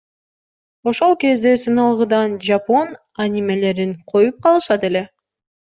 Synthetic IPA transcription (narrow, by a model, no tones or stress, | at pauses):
o̞ʃo̞lˠke̞zd̪e̞sɯnɯlˠʁɯd̪ɑnd͡ʒapo̞n | anʲime̞le̞ɾinqʰo̞jup̚qʰɑlˠɯʃɑt̪e̞le̞